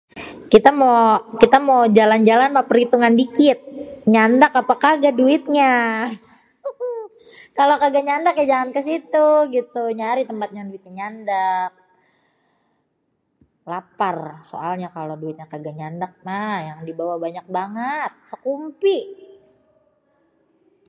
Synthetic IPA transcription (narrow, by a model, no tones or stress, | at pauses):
kit̪amokit̪amod͡ʒaland͡ʒalanmapəɾit̪uŋandikɪt̪̚ɲandakapakaɡaduɪt̪̚ɲa | kalokaɡaɲandakjad͡ʒaŋankəsit̪uɡit̪uɲaɾit̪əmpat̪̚ɲaduit̪̚ɲaɲandak̚ | laparso̰alɲakaloduɪt̪̚ɲakaɡaɲandak̚majaŋdibawabaɲak̚baŋət̪̚səkumpiʔ